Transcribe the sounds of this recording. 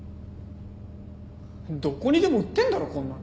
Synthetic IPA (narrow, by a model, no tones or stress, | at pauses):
d̪o̞koɲ̟id̪e̞moɯt̪ːe̞nd̪aɾokõnːã